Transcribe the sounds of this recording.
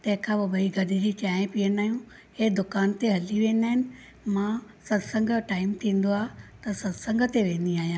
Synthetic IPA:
t̪ɐ̃ɦɪ̃kʰãːbɐbɐiɡʱɐɗɪd͡ʑit͡ɕaːẽpiːənaːɦijũ | heːd̪ʊkaːnt̪eɦɐliʋẽːn̆d̪aːɦɪnɪ̆ | mã | sɐd̪sɐ̃ŋɡʱəʈaːɪmt̪ʰĩːn̆d̪oaːɦt̪ɐsɐd̪sɐ̃ŋɡʱət̪eʋẽːn̆d̪iaːɦijãː

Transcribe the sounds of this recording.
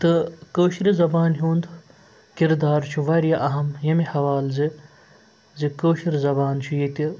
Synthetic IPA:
t̪ɨkoːʃɾizɐbaːnɦʲuːnd̪ | kiɾd̪aːɾt͡ʃʰuʋɐɾjɐʔɐɦɐmjɐmihɐʋaːlzi | zikoːʃiɾizɐbaːnt͡ʃʰujit̪ʲi

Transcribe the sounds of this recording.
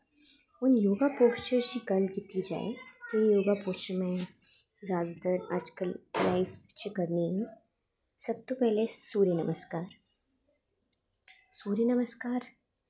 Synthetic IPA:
ʊnjoːɡapoːkt͡ʃəɾd͡ʒiɡɐlɡɪt̪id͡ʒa̰ːḛt̪oijoːɡapoːt͡ʃəɾmẽ | zjaːd̪at̪əɾaːd͡ʒkəlːaːɪft͡ʃikɐɾniɦɛ̃ | sɐb̚t̪opɛɦlesuːɾenɐməskaːɾ | suːɾenɐməskaːɾ

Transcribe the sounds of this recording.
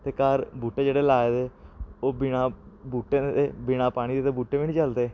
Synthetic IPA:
t̪eːkaːɾbuːʈːeːd͡ʒeːɽeːlaːed̪eːoːbɪñãːbuːʈːeːeːbɪnãːpaːɽ̃iːd̪eːt̪eːbuːʈːeːʋiːniːt͡ʃəld̪eː

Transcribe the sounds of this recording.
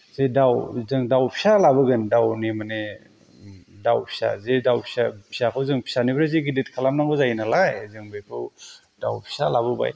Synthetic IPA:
z̥edawzɯŋdawpʰi̥salabɯɡɯndawnimane | dawpʰi̥sa̰zedawpʰi̥sapʰi̥sakʰɯwzɯŋpʰi̥sanibɾazeɡidit̚kʰalamnaŋɡɯzajnalajzɯŋbekʰɯw | dawpʰi̥salabɯba̰j

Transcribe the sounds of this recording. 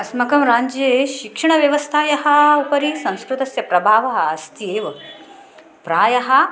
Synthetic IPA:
ɐsmɐkɐmɾaːɲd͡ʒeːʃikʂɐɳɐʋjɐʋɐst̪ʰaːjɐɦɐ̆upɐɾisɐ̃w̃skɾut̪ɐsjɐpɾɐbʱaːʋɐɦɐɐst̪jeːʋɐ | pɾaːjɐɦɐ

